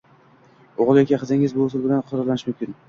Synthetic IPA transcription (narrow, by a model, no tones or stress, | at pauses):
oʁɨlˠjɒkʲiχɨzɪŋɪzbʊːsɪlˠbɪlanqʰʊɾaɾlanɪʃmʊmkʲɪn